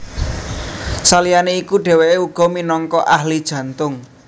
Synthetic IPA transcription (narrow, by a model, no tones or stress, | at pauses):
salijaneikuɖ̥e̤weʔeuɡ̥ɔ̤minɔŋkɔʔahlid̥ʒ̥ä̤nt̪ʊŋ